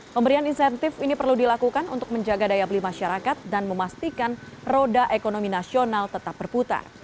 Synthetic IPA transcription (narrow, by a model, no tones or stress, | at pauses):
pəmbəɾianinsɛnt̪ɪfinipərludilakukanṵnt̪ʊk̚məɲd͡ʒaɡadajabəlimaʃaɾakat̪̚danməmast̪ikanrodaʔekonominasionalt̪ət̪ap̚bərput̪a̰r